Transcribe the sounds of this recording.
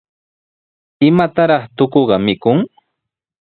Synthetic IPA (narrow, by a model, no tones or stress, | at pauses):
ɪmat̪aɾɑχt̪okoɢɑmɪkʊŋ